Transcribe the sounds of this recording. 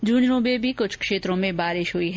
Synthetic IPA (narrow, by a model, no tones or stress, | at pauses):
d͡ʒuːnɾũbebʱikʊt͡ʃʰkʃeːt̪ɾõmẽbaːɾɪʃɦʊiɦ